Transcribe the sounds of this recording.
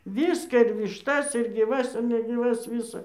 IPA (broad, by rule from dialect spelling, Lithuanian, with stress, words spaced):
ˈʋʲiːskɑː ɪr ʋʲɪʃˈtɐs ɪr ɡʲiːˈʋɐs nʲɛɡʲiːˈʋɐs ˈʋʲɪsɐ